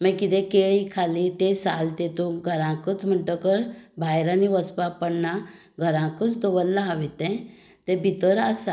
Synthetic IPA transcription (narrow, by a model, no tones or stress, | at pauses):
məkit̪ɛ̃keɭikʰalit̪esalt̪et̪ũɡʱəɾãkət͡sm̤əɳʈəkəɾbʱajɾãniʋəspapəɽɳa | ɡʱəɾãkət͡sd̪ɔʋəlːaɦaʋit̪ɛ̃ | t̪ẽbʱit̪əɾasa